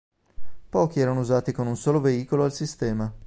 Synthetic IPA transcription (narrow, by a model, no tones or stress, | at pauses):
pɔːk̟iɛːɾanouzaːt̪ikonunsoːloveiːkoloalsist̪ɛːma